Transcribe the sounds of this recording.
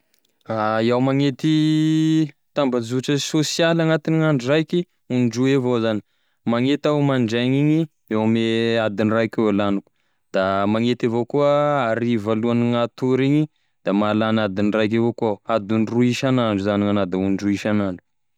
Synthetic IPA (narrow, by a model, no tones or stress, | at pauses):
aiawmaŋet̪i | t̪ambazuʈ͡ʂəsosialaŋat̪iniŋaɳɖ͡ʐurajki | uɳɖ͡ʐuevozani̥ | maŋet̪awmaɳɖ͡ʐaŋiɲi | ewmead̪inirajkewalanuku̥ | d̪̥amaŋet̪avokuəaɾivaluaniŋat̪uɾiɲi | d̪̥amalanad̪inirajk̬evokuaad̪inruiʃanaɳɖ͡ʐuzaniŋanad̪auɳɖ͡ʐuiʃanaɳɖ͡ʐu̥